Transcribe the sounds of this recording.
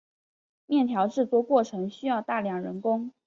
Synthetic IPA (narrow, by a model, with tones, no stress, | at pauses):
mjɛ˥˩nt̪ʰjɑ˧˥ʊʈ͡ʂɻ̩˥˩t͡swɔ˥˧kwɔ˥˩ʈ͡ʂʰɤ˧˥ŋɕy˥jɑ˥˧ʊt̪a˥˩ljɑ˨˩ŋɻə˧˥nkʊ˥ŋ